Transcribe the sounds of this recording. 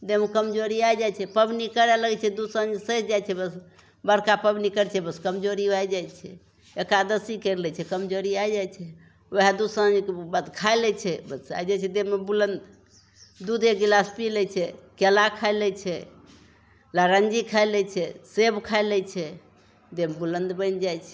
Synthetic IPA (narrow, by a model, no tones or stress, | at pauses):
d̪emekəmd͡ʒoɾiajd͡ʒajt͡ʃʰɛpəbnikəɾɛləɡɛt͡ʃʰɛd̪usə̃ə̃nd͡ʒsəd͡ʒat͡ʃʰɛbəs | bəɾkapəbnikəɾɛt͡ʃʰɛbəskəmd͡ʒoɾiad͡ʒajt͡ʃʰɛ | ekad̪əsikəɾlɛt͡ʃʰɛkəmd͡ʒoɾiajd͡ʒajt͡ʃʰɛ | oɦad̪ud̪sə̃ə̃nd͡ʒkebəd̪kʰaelɛt͡ʃʰɛbəsa̰jd͡ʒajt͡ʃʰɛd̪emːebulənd̪ | d̪ud̪ekɡilaspilɛt͡ʃʰɛkelakʰaɪlɛt͡ʃʰɛ | laɾənd͡ʒikʰajlɛt͡ʃʰɛsebkʰalɛt͡ʃʰɛ | d̪embulənd̪bənd͡ʒajt͡ʃʰɛ